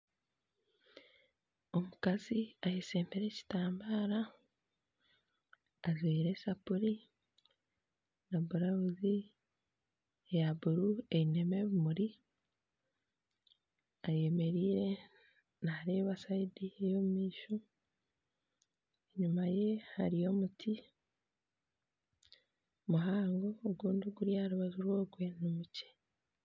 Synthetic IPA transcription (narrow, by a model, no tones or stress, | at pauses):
o̞mukaziajese̞ːmbeɾe̞ci̥taːmbaːɾa | ziːɾe̞sapuɾi | nabuɾaβuzi | jabuɾue̞ine̞me̞ːβumuɾi | aje̞me̞ɾiːɾe̞ | naɾe̞ːβasaidiejo̞mumiːʃu | eɲumaje̞haɾijo̞mutʰi | muɦaːŋɡo̞ːɡuːnduɡuɾjaɾuβazoɾwo̞ːɡwe̞numuce̥